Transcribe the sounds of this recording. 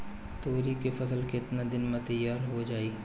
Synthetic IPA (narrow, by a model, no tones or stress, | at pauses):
t̪oːɾikefɐsəlkeɪt̪nad̪ɪnmẽt̪ɐjːaːɾɦod͡ʒaːiː